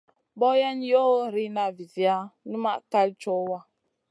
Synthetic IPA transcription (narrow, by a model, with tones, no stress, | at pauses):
bɔ˦ja˦njo˦ɾi˦na˦˨vi˨zi˨a˦nɨ˦ma˦˨ʔka˦lt͡ʃɔ˦wa˦˨